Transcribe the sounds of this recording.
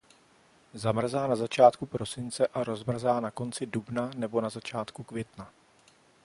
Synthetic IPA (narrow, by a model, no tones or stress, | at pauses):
zamr̩zaːnazat͡ʃaːt̪kupɾo̞sɪnt͡sɛʔaɾo̞zmr̩zaːnako̞nt͡sɪdubnanɛbo̞nazat͡ʃaːt̪kukvjɛt̪na